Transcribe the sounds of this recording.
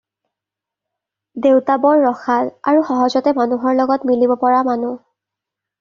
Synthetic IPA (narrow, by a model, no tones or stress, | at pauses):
dewtabɔɹːɔxaɹa̰ɹuxɔɦɔzɔtɛmanuɦɔɹlɔɡɔtmilibɔpɔɹamanu